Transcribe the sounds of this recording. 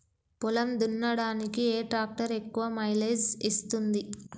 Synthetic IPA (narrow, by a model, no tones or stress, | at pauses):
pulɐmd̪unːɐɽaːnikieːʈɾaːk̚ʈɐɾe̞kːuʋɐmɐjled͡ʒist̪und̪i